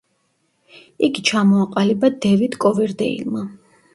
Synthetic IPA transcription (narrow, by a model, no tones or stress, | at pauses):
iɡit͡ʃʰamɔaqʼalibad̪ɛvit̪kʼɔvɛɾd̪ɛḭlˠma